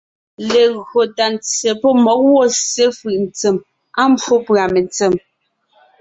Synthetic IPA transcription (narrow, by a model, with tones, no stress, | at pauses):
le˨ɣɰo˨ta˨nt͡se˨pɔ˦mɔ˨˦k̚wɔ˦se˦fɯ˨ʔn̩˨t͡se˨m | a˦m˦bwo˦pɰa˨me˨nt͡sə˨m